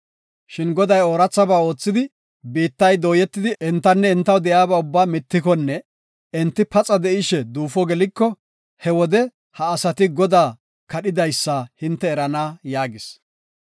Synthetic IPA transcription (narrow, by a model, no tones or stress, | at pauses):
ʃɪnɡɔd̪ɐjoːɾɐt͡sːɐbaːo̞ːt͡sːɪd̪ɪ | biːt̪ːɐjd̪oːjɛt̪ːɪd̪ɪʔɛnt̪ːɐnːɛɪnt̪ːɐwd̪ɛjaːbɐʊbːaːmɪt̪ːɪkɔnːɛ | ɛnt̪ːɪpɐt͡sʼɐd̪ɛʔɪʃɛd̪uːfɔɡɛlɪkːɔ | hɛwɔd̪ɛ | hɐːsɐt̪ɪɡɔd̪aː | kɐɗɪd̪ɐjsːɐhɪnt̪ːɛːɾɐnaːjaːɡɪs